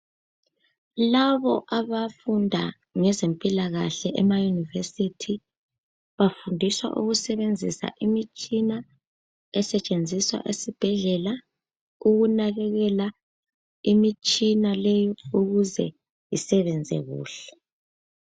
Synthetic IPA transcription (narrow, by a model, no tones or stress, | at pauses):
laβɔʔaβafundʱa̰ | ŋɛzempʼilaɣaɬɛʔɛmajunivesitʰi | βafundʱiswa̰ʔṵɣusɛβend͡zʱisa̰ʔimit͡ʃʼina | ɛsɛt͡ʃʼend͡zʱiswa̰ʔesib̥ʱɛɮɛla | uɣunaɣɛɣɛla | imit͡ʃʼinalɛjɔuɣuzɛ̰ | jisɛβɛnd͡zʱɛ̰ɣṵːɬɛ̥